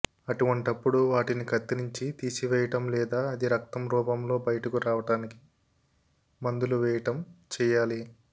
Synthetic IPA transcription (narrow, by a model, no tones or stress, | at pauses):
ɐʈuʋɐɳʈɐpːuɽuʋaːʈinikɐt̪ːinuɲt͡ʃit̪iːsiʋɛːjɐʈɐmlɛːd̪aːɐd̪iɾɐk̚t̪ɐmɾuːpɐmlo̞ːbɐjɐʈɐkuɾaːʋɐʈaːniki̥ | mɐnd̪uluʋɛːjɐʈɐmt͡ʃɛːjaːli